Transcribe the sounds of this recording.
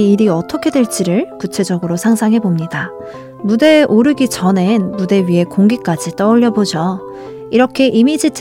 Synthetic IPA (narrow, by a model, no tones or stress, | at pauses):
ɾiʌt͈ʰʌkʰe̞dwe̞ɭt͡ɕ͈iɾɯɭkut͡ɕʰe̞d͡ʑʌɡɯɾosʰaŋsʰaŋɦe̞bomɲida | mude̞ʔoɾɯɡit͡ɕʌne̞nmude̞ɥiɦe̞koŋɡik͈ad͡ʑit͈ʌuʎːʌbod͡ʑʌ | iɾʌkʰe̞ʔimid͡ʑitʰ